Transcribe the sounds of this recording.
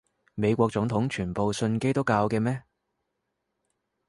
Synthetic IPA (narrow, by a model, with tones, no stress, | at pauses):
me˨˧jkʷɔː˧k̚t͡sʊ˨˥ŋt̪ʰʊ˨˥ŋt͡ʃʰyː˨˩npo˨wsɵ˧nke˥jt̪ʊ˥kːaː˧wkɛː˧mɛː˥